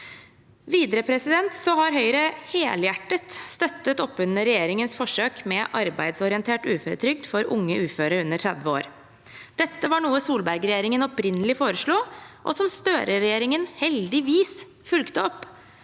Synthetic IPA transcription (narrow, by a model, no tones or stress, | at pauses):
ʋiːd̪ɾəpʰɾɛsɪd̪ɛnt̪sɔhɑɾɦœʏɾəheːljæʈːət̪st̪œt̪ːət̪ɔpːʉnəɾɛjeːɾɪŋənsfɔʂøːkmɛʔɑɾbæ̰ɪd̪sɔɾɪənt̪ʰeːʈʉːføːɾə̰t̪ʰɾʏkt̪fɔɾʊ̰ŋːəʉːføːɾəɾʉnːəʈʰɾɛd̪ʋəo̰ːɾ | d̪̥ɛt̪ːəʋɑɳuːəsuːlbæɾɡɾɛjeːɾɪŋənɔpɾɪnːəlɪfoːɾəʂɭuːʔɔ̰sɔmst̪øːɾəɾɛjeːɾɪŋənhɛld̪ɪʋiːs | fʉlkt̪əɔpː